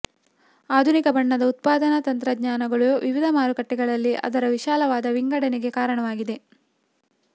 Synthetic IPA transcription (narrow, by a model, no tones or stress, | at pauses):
aːd̪ʱunikɐbɐɳːɐd̪ɐut̪̚paːd̪ɐnɐt̪ɐnt̪ɾɐɡɲaːnɐɡɐɭuʋiʋid̪ʱɐmaːɾukɐʈːɛɡɐɭɐlːiʔɐ̰d̪ɐɾɐʋiʃaːlɐʋaːd̪ɐʋiŋɡɐɽɐnɛɡe̞kaːɾɐɳɐʋaːɡid̪e̞